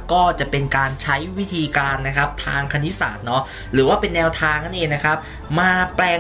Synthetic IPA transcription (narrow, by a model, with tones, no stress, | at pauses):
kɔː˥˩t͡ɕa˨˩pe˧nkaː˧nt͡ɕʰa˦˥jwi˦˥t̪ʰiː˧kaː˧nːa˦˥kʰa˦˥p̚t̪ʰaː˧ŋkʰa˧ni˦˥sa̰ː˨˩t̪̚nɔ˦˥ | ɾɯː˩˦waː˥˩pe˧nːɛː˧wt̪ʰaː˧ŋʔa˦˥nʔeː˧˩na˦˥kʰa˦˥p̚ | maː˧plɛː˧